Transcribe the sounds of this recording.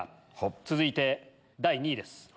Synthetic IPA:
t͡sɨzɨit̪e̞ | d̪aiɲ̟id̪e̞sɨ̥

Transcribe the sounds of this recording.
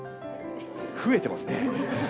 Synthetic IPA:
ɸɯ̟e̞t̪e̞masɨne

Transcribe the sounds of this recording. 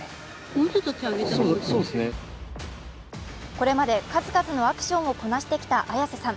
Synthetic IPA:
moːt͡ɕot̪ːokʲeaɡeosoːd̪esne | ko̞ɾe̞mad̪e̞kazɨkazɨno̞akɯ̟̥ɕõ̞ɰ̃o̞ko̞naɕi̥t̪e̞kʲi̥t̪aʔajasesãŋ

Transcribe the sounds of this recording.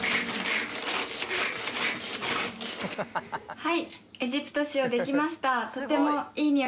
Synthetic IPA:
haie̞ʑipɯ̟̥t̪o̞ɕio̞d̪e̞kʲimaɕi̥t̪at̪o̞t̪e̞moiːmʲio

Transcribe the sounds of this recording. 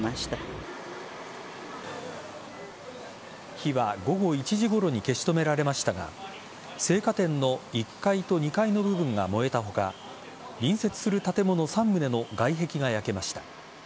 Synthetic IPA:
aɕi̥t̪a | çiβaɡo̞ɡo̞it͡ɕiʑiɡo̞ɾo̞ɲ̟ike̞ɕi̥t̪o̞me̞ɾaɾe̞maɕi̥t̪aɡa̰ | se̞ːkat̪ẽ̞nːo̞ikːait̪o̞ɲ̟ikaino̞bɯ̟bɯ̟̃ŋɡa̰mo̞e̞t̪aɦo̞ka̰ | ɾʲĩɰ̃se̞t͡sɨ̥sɨɾɯ̟t̪at̪e̞mo̞no̞sãmːɯ̟ne̞no̞ɡaiɦe̞kʲiɡajake̞maɕi̥t̪ḁ

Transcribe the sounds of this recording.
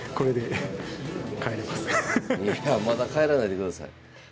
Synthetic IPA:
ko̞ɾe̞d̪e̞ | kaeɾemasɨ̥iamad̪akaeɾanaid̪ekɯ̟d̪asa̰ḭ

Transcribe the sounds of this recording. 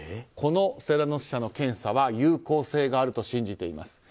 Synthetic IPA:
kʰo̞no̞se̞ɾano̞ɕi̥ɕano̞kẽ̞ɰ̃saβajɯ̟ːko̞ːse̞ːɡaːɾɯ̟t̪o̞ɕĩɲ̟d͡ʑit̪e̞ima̰sɨ̥

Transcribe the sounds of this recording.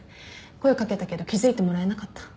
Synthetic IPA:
ko̞eokake̞t̪ake̞d̪o̞kʲizɨit̪e̞mo̞ɾae̞nakat̪ːḁ

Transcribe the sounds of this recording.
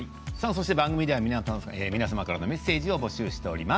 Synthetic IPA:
sãns̬o̞ɕit̪ebãŋɡɯ̟mʲid̪e̞amʲinaaeːmʲinasamakaɾano̞me̞sːe̞ːʑio̞bo̞ɕɨːɕi̥t̪e̞o̞ɾʲima

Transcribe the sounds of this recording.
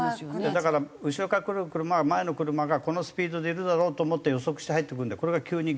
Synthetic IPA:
d̪ed̪akaɾaɯ̟ɕiɾo̞kakɯ̟ɾɯkɯ̟ɾɯ̟mamae̞no̞kɯ̟ɾɯ̟maɡako̞no̞sɨ̥pʲiːd̪o̞d̪e̞iɾɯ̟d̪aɾo̞ːt̪oːmo̞t̪ːejo̞so̞kɯ̟ɕi̥t̪eɦait̪ːe̞kɯ̃nd̪ako̞ɾe̞ɡakʲɯːɲ̟i

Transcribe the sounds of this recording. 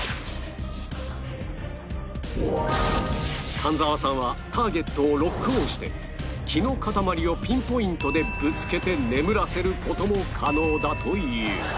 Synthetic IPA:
kʰãnd͡zaβasãɰ̃βat̪ʰaːɡe̞t̪ːo̞ːɾo̞kːɯ̟õɕi̥t̪e̞̰ | kʲino̞kat̪amaɾʲio̞pʲĩmpo̞ĩnt̪o̞d̪e̞bɯ̟t͡sɨ̥ke̞t̪e̞ne̞mɯ̟ɾase̞ɾɯ̟ko̞t̪o̞mo̞kʰano̞ːd̪at̪ʰo̞jɯ̟ː

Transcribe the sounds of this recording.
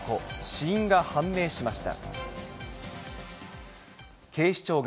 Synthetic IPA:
koɕiĩŋɡahãmːe̞ːɕimaɕi̥t̪a̰ | kʰe̞ːɕi̥t͡ɕo̞ːɡ

